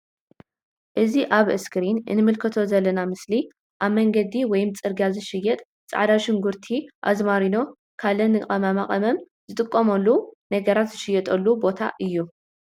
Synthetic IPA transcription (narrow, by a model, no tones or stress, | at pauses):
ʔɨziʔaβɨskʰɨɾinɨ̰nɨmɨlkʰɐt̪ʰo̞zɐlːɐnamɨsli | ʔaβmɐŋɡɐd̪iwɔjmt͡sʼɨɾɡazɨʃɪjːɛt̪ʼ | t͡sʼa̰ʕd̪aʃɪŋɡuɾt̪ʰiʔa̰zmaɾino̞ | kʰalɐnɨkʼɐmamaχʼɐmɐm | zɨt̪ʼɨkʼːɐmɐlːunɐɡɐɾat̪zɨʃɪjɛt̪ʼɐlːubo̞t̪ʰa̰ʔɨjːu